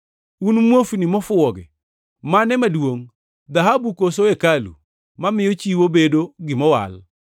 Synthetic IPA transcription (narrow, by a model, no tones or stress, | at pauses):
unmwofnimɔfʊɔɡɛ̰ | manɛmadwoŋ | d̪aɦabukosoekalṵ | mamɪjɔt͡ʃiwobedoɡɪmɔwa̰l